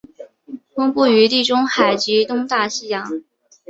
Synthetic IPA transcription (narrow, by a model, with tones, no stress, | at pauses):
fʊ˥ŋpu˥˩y˧˥t̪i˥˩ʈ͡ʂʊ˥ŋxa˨˩ɪt͡ɕi˧˥t̪ʊ˥ŋt̪a˥˩ɕi˥jɑ˧˥ŋ